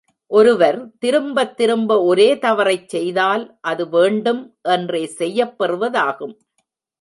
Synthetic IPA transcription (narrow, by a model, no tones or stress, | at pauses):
ʔɔɾɯʋɐɾt̪ɪɾɯmbɐt̪ːɪɾɯmbɐɔɾeːt̪ɐʋɐɾɐɪt͡ʃsɛjðaːlʔɐðɯʋeːɳɖɯmʔɛndreːsɛjːɐpːɛrɯʋɐðaːɣɯm